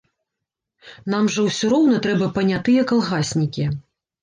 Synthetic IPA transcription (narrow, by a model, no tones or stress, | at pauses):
n̪amʐɐwsʲɔɾɔwn̪ɐt̪ɾɛbɐpɐnʲat̪ɨjɐkalˠɣasʲnʲikʲi